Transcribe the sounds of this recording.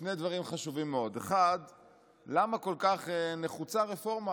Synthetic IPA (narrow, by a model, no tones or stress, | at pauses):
ne̞jd̪vaʁimχaʃuvimːeo̞d̪eχad | lamako̞lkaχeneχut͡saʁefo̞ʁma